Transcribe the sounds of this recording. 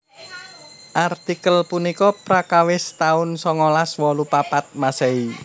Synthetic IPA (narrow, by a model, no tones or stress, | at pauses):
ʔart̪ikəlpunikɔpɾakawɪst̪aʊnsɔŋɔlaswɔlupapat̪̚masɛi